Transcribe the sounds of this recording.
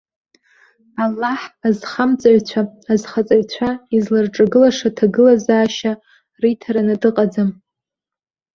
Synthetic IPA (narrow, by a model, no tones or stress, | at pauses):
alːaħazχamt͡sʼaʕt͡ɕʷʰaːzχat͡sʼaɥt͡ɕʷʰaizlarʈ͡ʂʼaɡɨlaʂatʰaɡɨlazaːʃa | ritʰaɾanadɨqʼad͡zam